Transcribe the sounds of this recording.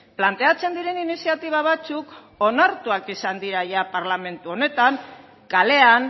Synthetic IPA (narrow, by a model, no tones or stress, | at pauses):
plant̪e̞at͡se̞nd̪iɾe̞ninisiat̪iβ̞aβ̞at͡suk | o̞naɾt̪uakisand̪iɾaʝapaɾlame̞nt̪uo̞ne̞t̪aŋ | kale̞an